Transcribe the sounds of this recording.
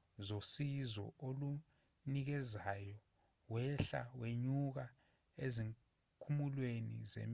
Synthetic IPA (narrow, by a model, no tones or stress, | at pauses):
zosizɔ̰olu | nik̬ɛzajɔ | wɛɬa̰weɲuk̬a | eziŋ | kʰumulwenḭzḛm